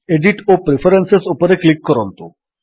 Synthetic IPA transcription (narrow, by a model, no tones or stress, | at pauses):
eɖiʈopɾefʰəɾensesupəɾeklikːɔɾɔnt̪o